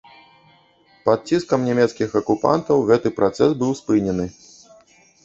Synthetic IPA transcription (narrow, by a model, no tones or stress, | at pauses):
pat̪̚t͡sʲiskɐmnʲɛmʲɛt̪skʲixɐkupa̰nt̪ɐwɣɛt̪ɨpɾat̪sɛsbɨwspɨnʲɛnɨ